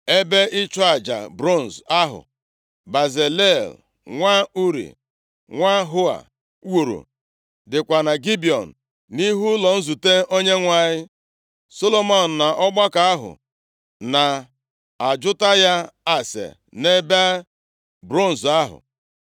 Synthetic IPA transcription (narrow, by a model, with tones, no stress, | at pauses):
e˦be˦ʔɪ˦t͡ʃɔ˦a˨d͡ʒa̰˨bɾo˦˨n̩˨za˦ɦʊ̰˨ | ba˨ze˨le˦˨l | ŋʷa˦u˦ɾḭ˨ | ŋʷa˦ɦʊ˦a̰˨ | wu˨ɾṵ˨ | dɪ˨kʷa˨na˨ɡi˦bi˨ɔ˨n̩˨ | ni˦ɦu˦lɔ˨n̩˦zu˨te˦o˦ɲe˦ŋʷa˦ɲɪ˦ | so˦lo˦mɔ˦˨n̩˨na˨ʔɔ˦ɡ͡ba˦ka˨a˦ɦʊ̰˨ | na˨ | a˨d͡ʒʊ˦ta˦ja˦a˦sḛ˨ | ne˦ba˦ | bɾo˦˨n̩˨za˦ɦʊ̰˨